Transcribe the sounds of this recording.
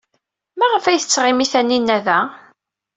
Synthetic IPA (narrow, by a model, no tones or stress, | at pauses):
mæʁəfæjθət͡sːʁɪmiθænːinːæðæ